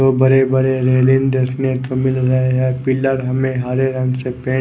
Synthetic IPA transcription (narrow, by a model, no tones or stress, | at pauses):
oːbəɾebəɾeɾeːlɪnd̪eːsnet̪omɪlɾɐɦeɦɛpɪləɾɦɐmẽɦaːɾeɾɐ̃ŋsepẽː